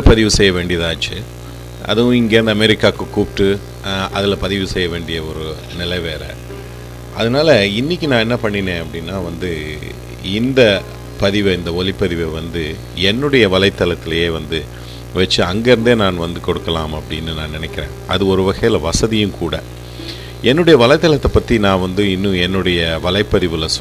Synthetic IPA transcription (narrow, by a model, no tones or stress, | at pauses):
pɐðɪʋɯsɛjːɐʋeːɳɖɪjɐðaːt͡ʃːɯ | ɐ̰ðɯʋʊ̃ɪŋɡeːɾɐnd̪ɐmɛɾɪkːaːkːɯkuːpʈːɯ | ɐðɪlɐpɐðɪʋɯsɛjːɐʋeːɳɖɪjɐɔɾɯ | nɪlɐɪʋeːɾɐ̰ | ʔɐðɯnaːlɐɪnːɪk̬ʲːinãːɛnːɐpɐɳːɪnẽːɐpːɐɽɪnːaːʋɐnd̪ɯ | ɪnd̪ɐ | pɐðɪʋɯɪnd̪ɐɔlɪpːɐðɪʋɛʋɐnd̪ɯ | ɛnːɯɽɐjɐʋɐlɐɪt̪ːɐlɐt̪ːɪlɐjeːʋɐnd̪ɯ | ʋɐt͡ʃːɯɐŋɡeɾɯnd̪eːnaːnʋɐnd̪ɯkɔɽɯkːɐlaːmɐpːɐɽɪnːɯnãːnɪnɛkːɪɾḛ̃ːʔɐðɯɔɾɯʋɐɣɐjɪlɐʋɐsɐðɪjɯ̃mkuːɽɐ̰ | ɛnːɯɽɐjɐʋɐlɐɪt̪ːɐlɐt̪ːɐpːɐt̪ːinãːʋɐnd̪ɯɪnːɯ̃ɛnːɯɽɐjɐʋɐlɐɪpːɐðɪʋɯlɐ